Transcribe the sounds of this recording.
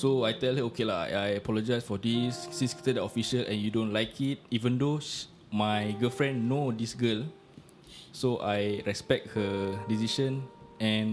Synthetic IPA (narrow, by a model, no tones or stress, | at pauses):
soajtɛlhəokʰela̰ajəpɔlɔd͡ʒajsfɔdisːĩnski̥t̪ədɛtɔfiʃəlʔɛ̰̃njudõnlaɪjkʰit̚ivə̃ndo | majɡəlfɹɛ̃nːodisɡəl | soʔajɹɛspɛk̚t̚hədisiʃə̃nɛ̃n